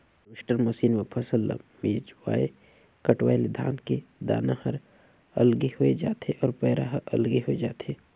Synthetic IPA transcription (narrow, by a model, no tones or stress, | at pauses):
ɾɪʃʈəɾmɐsiːnmepʰɐsəl̰ːmiːd͡ʒwa̰ːe | kɐʈwaːeled̪ʱa̰ːnked̪a̰ːnahɐɾ | ɐlɡihoed͡ʒaːt̪eʔɔːɾpɛːɾaɦəʔɐ̰lɡiɦoed͡ʒaːt̪eː